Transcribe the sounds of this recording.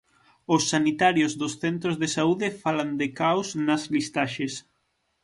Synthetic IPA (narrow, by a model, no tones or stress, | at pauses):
osːanit̪aɾjozðʊsθent̪ɾozðesauðɪfaland̪ekawsnɐzlist̪aʃes